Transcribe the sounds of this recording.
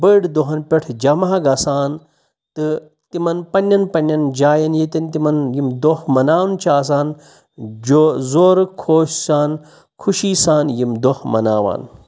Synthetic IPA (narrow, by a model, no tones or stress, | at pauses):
bəːɖd̪oɦɐnpʲeʈʰd͡ʒɐmaɦɐɡɐsaːn | t̪ɨ | t̪imɐnpɐnʲːɐnpɐnʲːɐnd͡ʒaːjɐnjit̪int̪imɐnjimd̪ohmɐnaːwnt͡ʃʰaːs̬aːn | d͡ʒozoːɾkʰoːʃsaːn | kʰuʃiːsaːnjimd̪ohmɐ̰naːʋa̰ːn